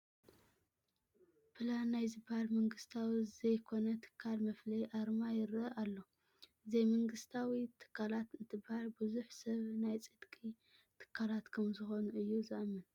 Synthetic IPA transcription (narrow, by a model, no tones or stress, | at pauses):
pʰɨlanːajzɨbhalmɐŋɡɨst̪ʰawizɐjkʰo̞nɐt̪ʰɨ̥kʰːalmɐflijʔaɾmajɪɾɐʔalːo̞ | ɨzejmɐŋɡɨst̪ʰawit̪ʰɨ̥kʰːalat̪ɨnt̪ʰɨbhalbɨzuħsɐβnajt͡sʼɨd̪̥kʼi | t̪ʰɨ̥kʰːalat̪kʰɐmzɨxo̞nuʔɨjːuzɨʔɐmːɨn